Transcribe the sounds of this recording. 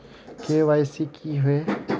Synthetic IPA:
keʋasikʰiɦʊe

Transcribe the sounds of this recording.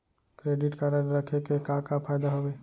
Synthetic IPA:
kɾeːɖɪʈkaɾəɖɾəkʰekekãːkapʰaːjd̪aɦoːʋeː

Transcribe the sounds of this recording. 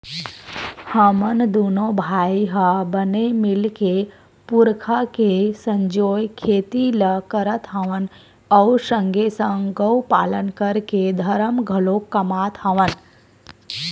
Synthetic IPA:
həmənd̪uːnobʱaːiɦabənemɪlke | pʊɾkʰakesə̃ɲd͡ʒoːjkʰeːt̪iləkəɾət̪ɦaʋən | ɔːɾsə̃ŋɡʱesə̃ŋɡəwpa̰ːlənkəɾked̪ʱɐɾəmɡʱɐlokːɐmaːt̪ʰaʋən

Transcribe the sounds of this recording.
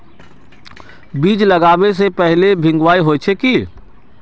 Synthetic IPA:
biːd͡ʒləɡaːbesepɛɦlebʱɪ̃ŋɡwaːiɦoːt͡ʃʰeki

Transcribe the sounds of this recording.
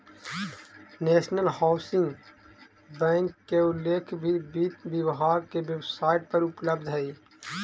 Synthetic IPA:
neːʃnəlhaʊsɪ̃ŋɡ | bɛ̃ːŋkːeʊlːeːkʰbʱibiːʋjɪwɦaːɾkeʋjəwsaːɪʈ̚pɐɾʊpləbd̪ʱɦəiː

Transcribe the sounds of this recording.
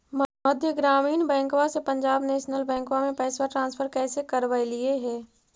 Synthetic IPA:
mɐd̪ʱjəɡɾaːmiːnbɛ̃ːŋkwasepɐ̃ɲd͡ʒaːbneːʃnəlbɛ̃ːŋkʋamẽpɛːswaʈɾãːnsfʰəɾkɛːsekɐɾʋaelɪeɦɛː

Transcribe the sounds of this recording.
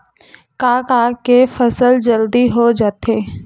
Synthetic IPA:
kaːkaːkefəsəld͡ʒəld̪iɦod͡ʒaːt̪eː

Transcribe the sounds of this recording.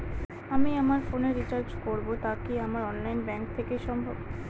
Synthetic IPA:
amiamaɾfoneɾit͡ɕaɾt͡ɕkoɾbot̪akiamaɾɔnlajnbɛŋk̚t̪ʰekeʃɔmbʱob

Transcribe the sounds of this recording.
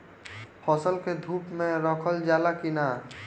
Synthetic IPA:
pʰɔsəlked̪ʱupmẽɾɔkʰəld͡ʒalakina

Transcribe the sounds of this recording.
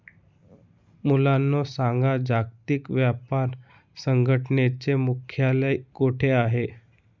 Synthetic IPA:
mulanːɔsãŋɡad͡ʑaɡ̚t̪ikʋjapaɾ | səŋɡʱəʈnet͡semukʰjaləjkoʈʰeaɦe

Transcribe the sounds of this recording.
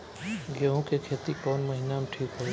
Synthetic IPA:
ɡeɦõkekʰeːt̪ikɔːnmɐɦinamʈʰiːkɦo

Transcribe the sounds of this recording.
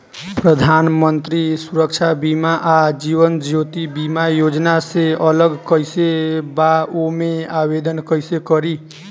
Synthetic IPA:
pɾəd̪ʱanmənt̪ɾisuɾək̚t͡ʃʰabimaʔad͡ʒiβənd͡ʒjot̪ibimajod͡ʒnaseələɡkəjsebaomeabed̪ənkəjsekəɾi

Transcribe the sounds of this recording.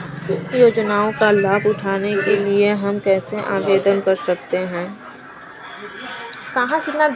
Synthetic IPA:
ʊjoːd͡ʒnaːõkalaːbʊʈʰaːnekelieɦɐmkɛːseʔaːʋeːd̪ənkɐɾsɐk̚t̪eɦɛ̃ː | kɐɦãsɪt̪na

